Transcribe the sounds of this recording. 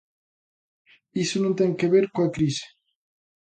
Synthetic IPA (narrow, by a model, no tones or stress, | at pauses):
isonõnt̪eŋkeβeɾkoakɾisi̥